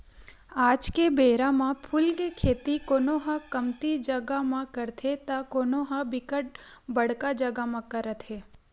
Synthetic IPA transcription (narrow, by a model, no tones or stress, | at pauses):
aːd͡ʒkebeːɾamãpʰʊlkekʰeːt̪ikoːnoɦãkəmt̪id͡ʒəɡamãkəɾt̪ʰet̪akoːnoɦabɪkəʈ̚ | bəɽkad͡ʒəɡamãkəɾət̪ɦeː